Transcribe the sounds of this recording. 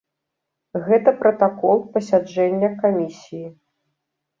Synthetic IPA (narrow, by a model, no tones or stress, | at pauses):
ɣɛt̪ɐpɾɐt̪akɔlˠpɐsʲad͡ʐɛnʲːɐkamʲisʲiji